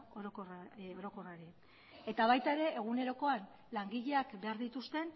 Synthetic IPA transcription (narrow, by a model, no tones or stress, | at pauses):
oɾokoro̞ɾo̞ko̞raɾi | e̞t̪aβ̞ajt̪ae̞ɾe̞ʔeɣ̞une̞ɾo̞ko̞an | laŋɡiʎe̞akbe̞aɾðit̪ust̪e̞n